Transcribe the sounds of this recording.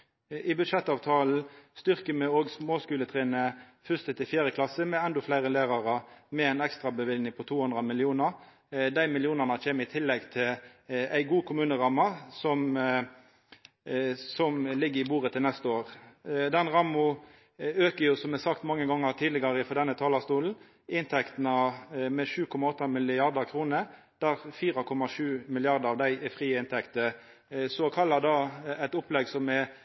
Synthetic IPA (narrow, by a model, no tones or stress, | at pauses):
ɪbʉʃɛt̪ːɑːʋt̪ʰɑːln̩st̪ʏʁkəmɛoːɡsmoːskʉːlət̪ʰʁeːnə | fʏst̪ət̪ʰɪfjæːɾəkʰlɑsəmɛɛnd̪ɔflæɪʁəlæːʁɑʁɑmɛæɪnɛkst̪ʁɑbəʋɪlnɪŋpʰɔt̪ʰuːhʉnd̪ʁɑmɪlɪuːnɑʁ | d̪æɪmɪlɪuːnənɑt͡ʃeːməɾɪt̪ʰɪlːɛɡt̪ʰɪlæɪɡuːkʰʊmʉːnəʁɑmɑsɔm | sɔmlɪɡːəɾɪbuːʁət̪ʰɪlnɛst̪əoːʁd̪ɛnʁɑmʊ | øːkəɾjʊsɔmɛsɑkt̪mɑŋːəɡɑŋːəʁt̪ʰiːd̪ləɡɑɾəfɔd̪ɛnːət̪ʰɑːlɑst̪uːln̩ | ɪnt̪ʰɛkt̪nɑmɛʂʉːkʰɔmɑɔt̪ːəmɪlɪɑʁd̪əʁkʰʁuːnə | d̪̥æːʁfiːɾɑkʰɔmɑʂʉːmɪlɪɑʁd̪əɑʋd̪æɪɛfʁiːəɪnt̪ʰɛkt̪ə | sɔkʰɑlːɑd̪ɑːæɪt̪ʊplɛɡsɔmɛ